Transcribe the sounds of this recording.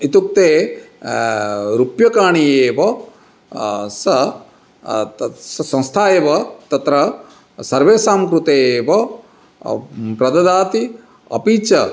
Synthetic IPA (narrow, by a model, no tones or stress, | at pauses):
it̪uk̚t̪eː | ɾupjɐkaːɳijeːʋɐ | sɐ | ssɐ̃nst̪ʰaːjeːʋɐt̪ɐt̪ɾɐ | sɐɾʋeːsaːmkɾut̪eːʋɐ | pɾɐd̪ɐd̪aːt̪i | ɐ̰piːt͡ʃɐ